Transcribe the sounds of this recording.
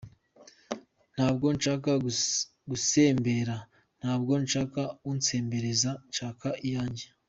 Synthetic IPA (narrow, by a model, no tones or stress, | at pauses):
n̥haːb̚ɡo̞nʃaːka | ɡusembe̞ɾa | n̥haːbɡo̞nʃaːkaunt͡se̞ːmbe̞ɾe̞zant͡ʃaːkaʔijaːɲɟe